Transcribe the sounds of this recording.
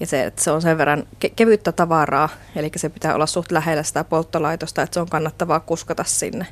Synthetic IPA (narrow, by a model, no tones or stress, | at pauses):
jɑseḛt̪ːseonseʋʋerːɑnkekeʋyt̪ːæt̪ɑʋɑrɑː | elikːæsepit̪æːo̰lːɑssuht̪læhelːæsi̥t̪æpolt̪ːɑlɑit̪ost̪ɑet̪seoŋkɑnːɑt̪ːɑʋɑːkuskɑt̪ɑssḭnːe